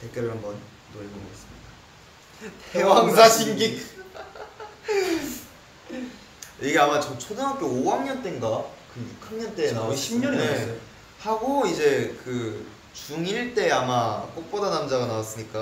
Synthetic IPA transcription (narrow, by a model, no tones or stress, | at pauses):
tek͈eɾɯɭambʌn | noʎɡoɡoes͈ɯmɲida | tewaŋsʰaɕʰiŋɡik | iɡe̞amat͡ɕʌt͡ɕʰodeɡap̚k͈eowaŋɲʌnt͈eŋɡakɯjukʰaŋɲʌnt͈e̞ːnaoɕʰimɲʌne | haɡoid͡ʑe̞kɯ | t͡ɕuŋiɭt͈e̞amak͈ok̚p͈odanamd͡ʑaɡanawas͈ɯɲik͈a